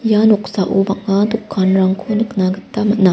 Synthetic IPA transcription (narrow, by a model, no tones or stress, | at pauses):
januksaʔubak̚ŋad̪ukʰːanɾaŋkʰuniknaɡɯt̪ːamana